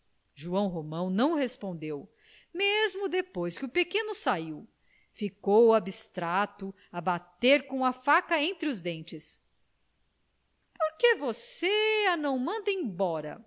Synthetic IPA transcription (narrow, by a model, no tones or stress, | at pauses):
ʒuɐ̃w̃ɦomɐ̃w̃nɐ̃w̃hespõnd̪ew | mezmʊd̪epojskɪʊpekẽnʊsaiw | fikowabist̪ɾat̪ʊ | ɐbat̪eɾkõw̃ɐfakɐẽnt̪ɾɪʊzd̪ẽnt͡ʃɪs | poɾkevoseanɐ̃w̃mɐ̃nd̪ẽbɔɾɐ̰